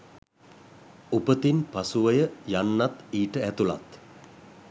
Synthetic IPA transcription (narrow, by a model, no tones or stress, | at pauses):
upət̪inpasuʋəjəjanːat̪iːʈəæt̪ula̰t̪